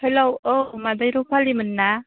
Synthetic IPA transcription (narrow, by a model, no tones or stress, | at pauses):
helowowmadajɾopʰalimɯnːa